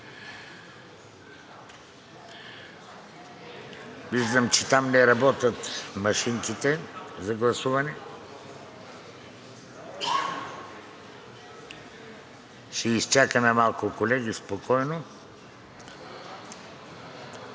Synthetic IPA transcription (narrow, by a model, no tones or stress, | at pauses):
viʒd̪əmt͡ʃɛt̪amnɛɾɐbɔt̪ət̪mɐʃiŋkit̪ɛzɐɡlˠɐsuvɐnɛ | ʃɛist͡ʃakənɛmalˠkʊkolɛɡ̟ispokɔjno